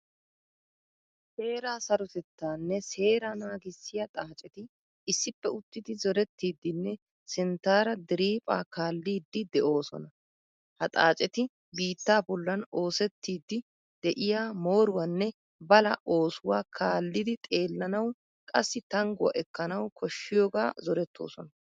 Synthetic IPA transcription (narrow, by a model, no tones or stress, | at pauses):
seːɾaːsɐɾʊt̪ɛt̪ːaːnːɛse̞ːɾanaːɡɪsːɪjɐt̪ʼaːt͡ʃʼɛt̪ɪ | ɪsːɪpːɛʊt̪ːɪd̪ɪzɔɾɛt̪ːiːd̪ːɪnːɛ | sɪnt̪ːaːɾɐd̪ɪɾiːpʼaːkaːlːiːd̪ːɪd̪ɛʔo̞ːsɔ̰nɐ | hɐt̪ʼa̰ːt͡ʃʼɛt̪ɪ | biːt̪ːaːbɔlːɐno̞ːsɛt̪ːiːd̪ːɪ | d̪̥ɛʔɪjaːmo̞ːɾʊwɐnːɛ | bɐlɐʔo̞ːsʊwaːkʰaːlːɪd̪ɪt̪ʼe̞ːlːɐnɐw | kʼɐsːɪt̪ɐŋɡʊwɐ̰ʔɛkːɐnɐwkʰɔʃːɪjo̞ːɡa̰ːzɔɾɛt̪ʰːo̞̰ːsɔ̰nɐ